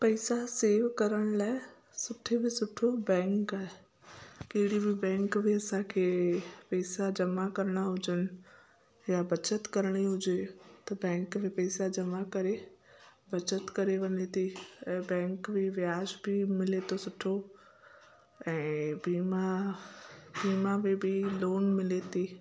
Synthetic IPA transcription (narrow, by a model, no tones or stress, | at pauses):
pɐɪsaseːʋkɐɾəɽ̃laːe | sʊʈʰebʱɪsʊʈʰobɛ̃ːŋkaɦe | keɪɽibʱɪbɛ̃ːŋkbʱeɐsãkʰepɐɪsad͡ʒɐmakɐɾɽ̃aɦʊd͡ʒən | jabɐt͡ʃət̪kɐɾɽ̃iɦʊd͡ʒet̪ɐbɛ̃ːŋkmẽpɛːsad͡ʑɐmakɐɾe | bɐt͡ʃət̪kɐɾeʋɐɲet̪ʰiɛ̃ːbɛ̃ːŋkmeʋjaːʃbɪmɪlet̪ʰosʊʈʰo | ɛ̃ːbiːma | biːmamẽbʱiloːnmɪlet̪ʰi